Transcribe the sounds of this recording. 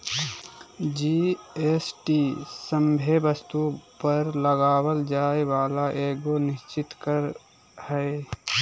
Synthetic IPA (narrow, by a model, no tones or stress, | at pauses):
d͡ʒiesʈisəmbʱebəst̪upəɾləɡaːwəld͡ʒaːewaːlaʔeːɡonɪʃt͡ʃɪt̪kəɾ | hɛe